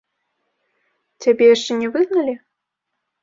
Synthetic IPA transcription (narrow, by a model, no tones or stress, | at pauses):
t͡sʲabʲɛjaʂt͡ʂɛnʲɛvɨɣnɐlʲi